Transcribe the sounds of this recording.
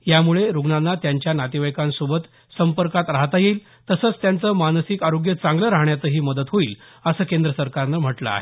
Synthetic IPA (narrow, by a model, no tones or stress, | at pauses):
jamuɭeɾuɡɳanːat̪jaɲt͡ɕjanat̪iʋajkãnsubət̪ | səmpəɾkat̪ɾaɦt̪ajeːl | t̪əsəːt͡st̪jant͡səːmanəsikaɾoɡjət͡sãŋɡləɾaɦɳjat͡səːɦiːməd̪ət̪ɦoiːl | əsəːkend̪ɾəsəɾkaɾnəm̤əʈlə̰a̰ɦe